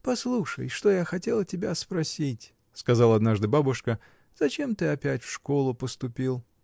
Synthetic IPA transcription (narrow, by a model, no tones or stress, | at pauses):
pɐslˠuʂəjʂt̪ojaxɐtʲe̞lˠtʲɪbʲaspɾɐsʲitʲ | skɐzalˠəɐd̪naʐd̪ɨbabʊʂkə | z̥ɐt͡ɕe̞mt̪ɨɐpʲætʲfʂko̞lˠʊpəst̪ʊpʲilˠ